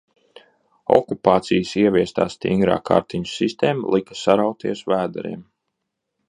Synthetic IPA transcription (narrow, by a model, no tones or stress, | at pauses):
ɔ̰kupaːt̪sijəsiɛviɛst̪a̰ːst̪ḭŋɡɾa̰ːkʰa̰ɾt̪iɲusist̪eːma̰lˠikḁsaɾawt̪iɛsvæːd̪a̰ɾḭɛm